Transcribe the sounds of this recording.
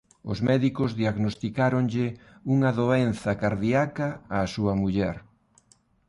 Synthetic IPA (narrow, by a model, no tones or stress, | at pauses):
ʊ̰zmɛðikʊzðiaɣnost̪ikaɾoŋʎɪuŋɐðoenθɐkaɾðiakɐaːsuɐmuʎɛɾ